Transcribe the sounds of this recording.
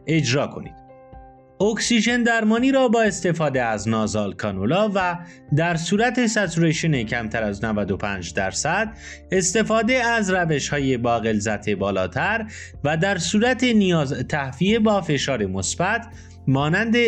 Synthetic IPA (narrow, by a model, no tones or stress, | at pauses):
e̞d͡ʒɾɒːkʰo̞̰nḭːd̪̥ | oksiʒe̞nd̪æɾmɒːniːɾɒːbɒːe̞st̪e̞fɒːd̪eæznɒːzɒːlkʰɒːnolɒːvæ | d̪æɾsuːɾæt̪ʰe̞sæt̪ʰuɾeʃone̞cʰæmt̪ʰæɾæznævæd̪opʰæːnd͡ʒd̪æɾsæd̪̥̚ | e̞st̪e̞fɒːd̪e̞æzræve̞ʃhɒːjebɒːɣe̞lzæt̪ʰe̞bɒːlɒːt̪ʰæɾ | væd̪æɾsuːɾæt̪ʰenijɒːzt̪ʰæhviebɒːfe̞ʃɒːɾe̞mo̞sb̥æt̪ʰ | mɒːnænd̪e